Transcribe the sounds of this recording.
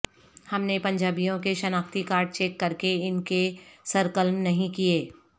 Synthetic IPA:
hɐmnepɐ̃ɲd͡ʒaːbijõkeʃɐnaːkt̪ikaːɾɖ̚t͡ʃeːkːɐɾkeɪnkesɐɾkəlmnɐɦĩkieː

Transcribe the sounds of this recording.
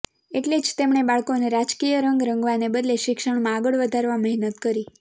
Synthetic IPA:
eʈled͡ʒt̪emɳ̃ebaɭkoneɾad͡ʒkijəɾəŋɡɾəŋɡʋanebəd̪leʃɪkʃəɳmãːɡəɭʋəd̪ʱaɾʋaməɦnət̪kəɾi

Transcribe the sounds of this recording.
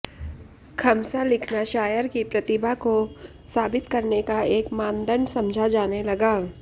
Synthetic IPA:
kʰɐmsalɪkʰnaʃaːjəɾkipɾɐt̪ɪbʱako | saːbɪt̪kɐɾnekaeːkmãːnd̪ənsɐ̃md͡ʒʱad͡ʒaːnelɐɡaː

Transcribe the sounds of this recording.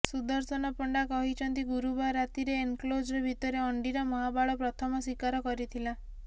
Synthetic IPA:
sud̪ɔɾsɔnɔpɔɳɖakɔɦit͡ʃʰɔnt̪iɡuɾubaɾat̪iɾeeŋklod͡ʒɾɔbʱit̪ɔɾeɔɳɖiɾɔmɔɦabaɭɔpɾɔt̪ʰɔmɔswikaɾɔkɔɾit̪ʰila

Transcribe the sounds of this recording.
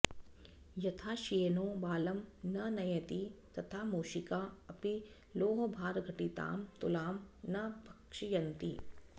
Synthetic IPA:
jɐt̪ʰaːʃijɐnoːbaːlɐmnɐnɐjɐt̪it̪ɐt̪ʰaːmuːʃikaːɐpi | loːɦbʱaːɾɡʱɐʈit̪a̰ːmt̪ʊlaːmnɐbʱɐkʃijɐnt̪ḭː

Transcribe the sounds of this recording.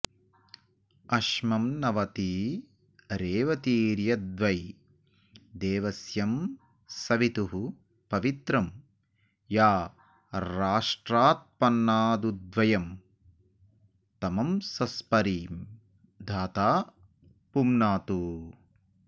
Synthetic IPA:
ɐʃmɐmnɐʋɐt̪i | ɾeːʋɐt̪iːɾjɐd̪ʋɐj | d̪eːʋɐsjɐm | sɐʋit̪uɦu | pɐʋit̪ɾɐm | jaː | ɾaːʂʈɾaːt̪̚pɐnːaːd̪ud̪ʋɐjɐm | t̪ɐmɐmsɐspɐɾiːm | d̪ʱaːt̪aː | pumnaːt̪u

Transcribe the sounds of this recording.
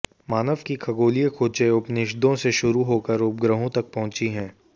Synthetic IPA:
maːnəʋkikʰɐɡoːlijəkʰoːt͡ʃeʊpnɪʃ̬d̪õseʃʊɾuɦoːkəɾoːpɡɾəɦõt̪ɐk̚pɐɦʊ̃t͡ʃiɦɛ̃ː

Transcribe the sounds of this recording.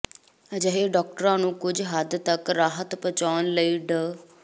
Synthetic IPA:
əd͡ʒəɦeːɖɔːk̚ʈəɾãːnũːkʊd͡ʒɦəd̪t̪əkɾaːɦət̪pət͡ʃaːnləiːɖə

